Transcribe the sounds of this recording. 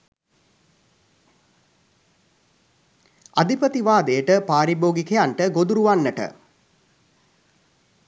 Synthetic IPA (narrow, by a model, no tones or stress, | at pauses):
ad̪ipət̪iʋaːd̪ejəʈəpaːɾiboːɡikejaɳʈəɡod̪uɾuʋanːəʈə̰